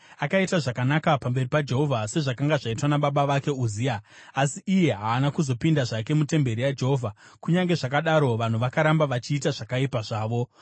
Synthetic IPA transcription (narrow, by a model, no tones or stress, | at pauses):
akaitaʐakanakapambe̞ripad͡ʒe̞ɦo̞vʱase̞ʐakaŋɡaʐaitwanaɓaɓaʋake̞uzijaː | siːje̞ɦaːnakuzo̞pindaʐake̞mute̞mbe̞ɾijad͡ʒeɦovʱa | kuɲaŋɡe̞ʐakaɗaɾo̞ʋan̤uʋakaɾambaʋat͡ʃiːtaʐakaipaʐaːʋo̞